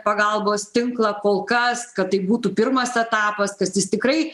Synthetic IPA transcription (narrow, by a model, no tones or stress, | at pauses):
pɐɡɐlˠboːst̪ʲɪŋklˠɐkoːlˠkɐskɐt̚t̪ːɐɪbuːt̪uːpʲɪɾmɐsɛt̪ɑːpɐskɐsjɪst̪ʲɪkɾɐɪ